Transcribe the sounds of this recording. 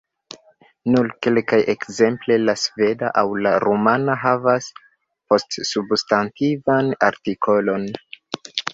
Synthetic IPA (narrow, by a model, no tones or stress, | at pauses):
nuɾke̞lkaje̞kze̞mple̞lasve̞da̰ʔawlaɾomanaɦavas | po̞stsubstantivana̰ɾtikʰo̞lo̞n